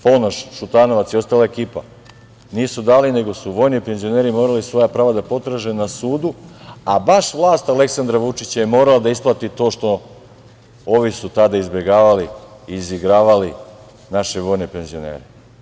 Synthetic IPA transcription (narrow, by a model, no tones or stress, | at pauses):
fonaʃʃut̪aːno̞ʋat̪sio̞st̪alaekiːpa̰ | niːsud̪aːline̞ɡo̞suʋo̞jnipe̞nzio̞ne̞ːɾimo̞ːɾalisʋo̞japɾaːʋad̪apo̞t̪ɾaʒenasuːd̪uabaʃʋlˠaːst̪ale̞ksand̪ɾaʋut͡ʃit͡ɕajemo̞ːɾalad̪aisplˠat̪it̪o̞ːʃt̪o̞ | oʋisut̪ad̪aizbje̞ɡaːʋaliiːziɡɾaːʋali | naʃeʋo̞ːjne̞pe̞nzio̞nḛːɾe